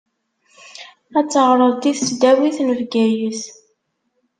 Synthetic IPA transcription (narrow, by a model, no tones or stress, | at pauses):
æt͡sːəʁɾˤəðˤt̪iθsd̪æwiθnəvɡæjəθ